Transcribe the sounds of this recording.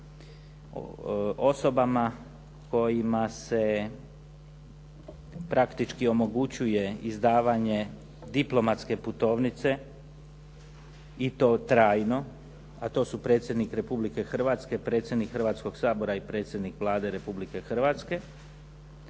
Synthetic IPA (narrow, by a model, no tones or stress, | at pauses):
oso̞bama | ko̞jimase̞ | pɾʔakt̪it͡ʃkio̞mo̞ɡut͡ɕuje̞izd̪aːʋaɲe̞ | d̪iplˠo̞mat̪ske̞put̪o̞ːʋnit̪se̞ | it̪o̞ːt̪ɾaːjno̞ | at̪o̞ːsupɾe̞ːt̪sʲje̞d̪nikɾe̞publike̞xr̩ʋat̪ske̞pɾe̞t̪sjed̪nikxər̩ʋat̪sko̞ɡ̥saːbo̞ɾaipɾe̞ːt̪sʲje̞d̪nikʋlˠaːd̪e̞ɾe̞publike̞xr̩ʋat̪ske̞